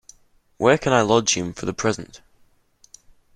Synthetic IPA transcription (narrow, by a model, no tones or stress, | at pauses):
wəkʰə̃naɪlɒd͡ʒɪ̃ɱfəðəpʰɹ̥ɛzə̃nt